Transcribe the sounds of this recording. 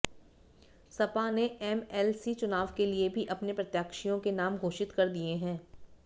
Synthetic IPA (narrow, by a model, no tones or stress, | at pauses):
sɐpaneɛːmɛːlsit͡ʃʊnaːʋkeliebʱiʔɐpnepɾɐt̪jaːkʃijõkenaːmɡʱoːʃɪt̪kɐɾd̪ieɦɛ̃ː